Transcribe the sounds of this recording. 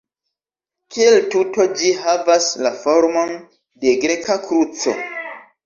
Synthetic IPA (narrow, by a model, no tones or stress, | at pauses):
kieltuto̞d͡ʒiɦavaslafoɾmo̞n | de̞ɡɾekakɾut͡so̞̰